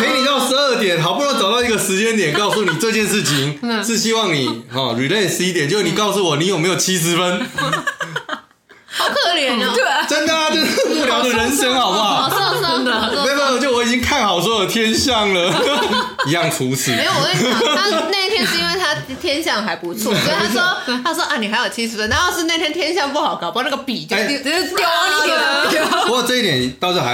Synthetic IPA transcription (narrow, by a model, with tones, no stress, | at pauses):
kʰe˧˥ɪni˨˩t̪ɑ˥˩ʊʂɻ̩˧ə˥˩t̪jɛ˨˩˦nɦɑ˨ʊpu˥˧ɻŋtt͡sɑ˨ʊt̪ɑ˥˩ʊi˧˥ɡə˧ʂɻ̩˧˥t͡ɕjɛ˥nt̪̬jɛ˨˩nkɑ˥˧ʊsu˥˨ni˨˩ʈ͡ʂɤ˥˧t͡ɕjɛ˥˧nʂɻ̩˥˩t͡ɕʰi˧˦ŋʂ̩˥˧˩ɕi˦˥wɑ˥˩ŋni˨˩hɔ˨˩ɻy˨˩le˥˩ɪʂɻ̩˧˥i˦˥t̪jɛ˨˦nt͡ɕo˥˧˥sni˨˩kɑ˥˧ʊs̬u˥˩wɔ˨˩ni˧˦jme˧˥ɪjo˨˩ʊt͡ɕʰi˦˥s̬ɻ̩˧˦fə˦˥n˨ | k̪ʰɤ˥˧˩ljɛ˨˦n˧˩ʈ͡ʂə˥nka˥a˥t͡ɕo˥˧pu˥˩ljɑ˧ʊd̪ə˨ɻə˧˦n̩˥˩jə˥ŋxɑ˨˩ʊba˥˧˦ | me˧˥˦ma˧˨˩t͡ɕo˥ʊwɔ˧˦i˨t͡ɕi˦ŋkʰa˥˩nxɑ˨˩ʊs̬wɔ˧˥jo˨˩t̪ʰjɛ˦nɕjɑ˥˨˩ŋlə˨˩ | i˨˦jɑ˥˩ŋʈ͡ʂʰu˨˦s̩˨˩˥wɔ˨˩e˥˩˥a˥ne˥˩ɪ˧t̪ʰjɛ˥nnʂ̩˥˩i˦nwe˥˧ɪt̪ʰa˥ | t̪ʰjɛ˥nɕjɑ˥˨ŋɦa˧˦ɪpu˨˧˦t͡sʰwɔ˥˨sɔ˥˨ta˥sɔ˦˥t̪ʰa˥ʂɔ˥ʔa˥˩ni˨˩ɦa˧˥ɪjo˨˩t͡ɕʰi˥ʂɻ̩˨˩fə˦nt̪a˥˧ja˥˧ʂɻ̩˥˧na˥˩ɪt̪jɛ˥nt̪jɛ˥nɕjɑ˥˧ŋpu˥˩xɑ˨˩ʊkpna˥˩ɡə˨˩pi˨˩t͡ɕjo˥e˧˥˩t̪jo˥˧˥wo˧˥˨ʈ͡ʂɤ˥˧i˥˩t̪jɛ˨˩n˨t̪ɑ˥˧ʊjo˥˩a˧˦